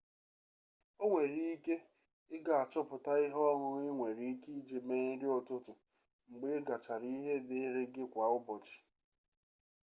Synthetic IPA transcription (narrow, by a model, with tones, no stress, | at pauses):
o˦ŋʷe˨ɾi˦i˦ke˦ | ɪ˦ɡa˨a˨t͡ʃɔ˦pʊ˨ta˦ɪ˦ɦɔ˦ɦʊ˦ŋɪ˦ŋʷe˨ɾi˨i˦ki˦d͡ʒe˨me˦ɾɪ˦ɔ˨tʊ˦tʊ˨ | ŋ͡m̩˨ɡ͡be˦ɡa˨t͡ʃa˨ɾi˦i˦ɦe˦dɪ˦ɾɪ˦ɡɪ˦kʷa˨ʊ˦bɔ˨t͡ʃɪ̥˨